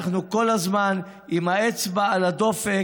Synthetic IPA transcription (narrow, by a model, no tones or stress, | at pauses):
χnuko̞lazman | imaet͡sbaalad̪o̞fe